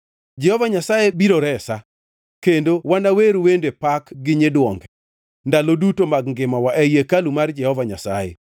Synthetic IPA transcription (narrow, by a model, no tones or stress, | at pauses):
d͡ʒɛhɔvaɲasajebiɾoɾɛsa | kendowanaweɾwendepakɡɪɲedwɔŋɡ | ndalodutomaɡŋɡɪmawaʔɛjekalumard͡ʒɛhɔvaɲasajḛ